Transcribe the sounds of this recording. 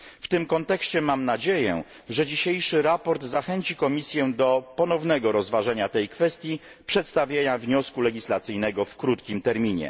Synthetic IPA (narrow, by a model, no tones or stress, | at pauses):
ft̪ɘmkɔnt̪ɛkɕt͡ɕɛmamnad͡ʑejɛ̰ | ʐɛd͡ʑiɕejʂɘɾapɔɾd̪zaxɛɲt͡ɕikɔmʲisʲjɛd̪ɔpɔnɔvnɛɡɔɾɔzvaʐaɲat̪ɛjkfɛst̪ʲji | pʂɛt̪st̪avʲjeɲavɲɔskulɛɡʲislat̪sɘjnɛɡɔfkɾut̪kʲimt̪ɛɾmʲiɲɛ̰